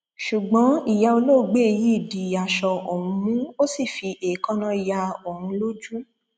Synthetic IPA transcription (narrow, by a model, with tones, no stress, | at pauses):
ʃu˨ɡ͡bɔ̃˨˦i˨ja˧o˧lo˦˨˧ɡ͡be˦e˧ji˦i˦˨di˨a˨ʃɔ˧ʔo˨hũ˧mũ˦o˦si˦˨fi˧ʔe˨kɔ̃˦nã˧i˨ja˧o˨hũ˧lo˦d͡ʒu˦